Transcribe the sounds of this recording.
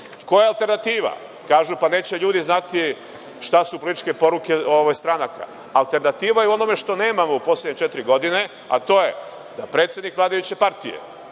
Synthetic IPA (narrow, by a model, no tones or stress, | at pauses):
ko̞jealˠt̪e̞ɾnat̪iːʋa̰ | kaːʒupane̞ːt͡ɕeʎuːd̪iznat̪i | ʃt̪asupolit̪i̥t͡ʃke̞po̞ɾuke̞oʋojst̪ɾanaka̰ | alt̪e̞ɾnat̪iːʋajeuo̞no̞me̞ʃt̪o̞ne̞ːmamo̞upo̞sljedɲet͡ʃet̪ɾiɡo̞d̪ine̞ | a̰t̪o̞je̞ | d̪apɾe̞t̪sje̞d̪nikʋlaːd̪ajut͡ɕe̞paɾt̪ḭjḛ